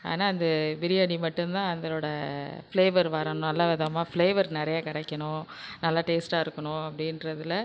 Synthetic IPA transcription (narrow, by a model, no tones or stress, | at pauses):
a̰ːnaːɐnd̪ɐbɪɾɪjɐɳimɐʈːɯmt̪ãːɐnd̪ɐloːɽɐfleːʋɐɾʋɐɾɐɳʊ̃nɐlːaːʋɛðɐmaːfɭeːʋɐɾnɪɾɐjaːkɪɽɛkːɐɳʊ̃ | nɐlːaːʈeːsʈaːɪɾɯkːɐɳʊ̃ɐpːɐɽɪnɾɐðɪlɐ